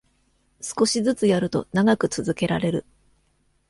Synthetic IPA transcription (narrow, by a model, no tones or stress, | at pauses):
sɨ̥ko̞ɕizɨt͡sɨjaɾɯ̟t̪o̞̰naɡakɯ̟t͡sɨzɨke̞ɾa̰ɾe̞ɾɯ̟